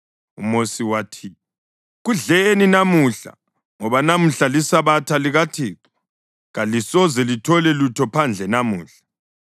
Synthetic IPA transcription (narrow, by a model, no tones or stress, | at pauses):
umosiwatʰi | ɣuɮeninamuɬa̰ | ŋɔβanam̩ɬalisaβatʰaliɣatʰeːǀu̥ | ɣalisɔzɛlitʰɔlɛlutʰɔpʰand͡ɮʱɛnamuːɬḁ